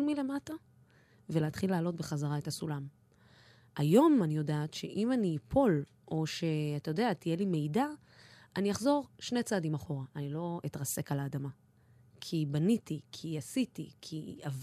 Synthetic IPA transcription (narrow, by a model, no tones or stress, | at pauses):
lmile̞mata | veleat̪χilaːlo̞tbe̞χazaʁaethasulam | ajo̞manijo̞daːtʃe̞ʔimaniːpʰo̞l | ʔo̞ʃe̞atajo̞deat̪ijelime̞jda | ʔanijaχzo̞ʁʃne̞jt͡saːdimaχo̞ʁaʔanilo̞it̪ʁase̞kalaːdama | kʰibanitikʰiasitikʰiav